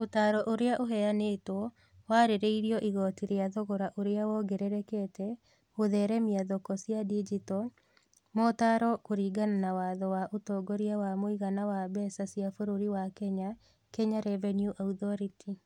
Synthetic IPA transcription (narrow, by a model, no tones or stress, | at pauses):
otaːɾɔʔoɾeaʔoɦɛaneːtwɔ | waɾeɾeiɾiɔʔiɣɔtiɾeaðɔɣɔɾaʔoɾeawɔɡɛɾɛɾɛkɛtɛ | oðɛɾɛmiaðɔkɔsiadid͡ʒitɔ | mɔtaɾɔkoɾiːɡananawaːðɔwaʔotɔɡɔɾiawamoiɣanawabɛsasiafoɾoɾiwakɛɲa | kɛɲaɾɛvɛnjuʔautɔɾiti